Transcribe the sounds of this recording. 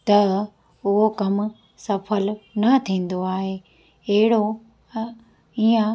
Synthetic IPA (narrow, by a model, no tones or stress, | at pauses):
t̪ɐ | ʊɦokɐm | sɐfʰəlnɐt̪ʰĩːn̆d̪oaːɦeː | ɐɦɪɽo | iːã